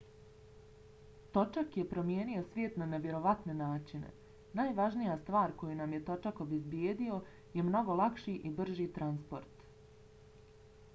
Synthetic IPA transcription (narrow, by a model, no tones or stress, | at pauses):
t̪o̞t͡ʃakje̞pɾo̞mje̞ːnio̞sʋʲjeːt̪naneʋje̞ɾo̞ʋat̪ne̞naːt͡ʃinḛ | naːjʋaʒnijast̪ʋaːɾko̞junamje̞t̪o̞t͡ʃako̞bezbjeːd̪io̞ | je̞mno̞ɡo̞lˠakʃiʔibr̩ʒit̪ɾanspo̞ɾt̪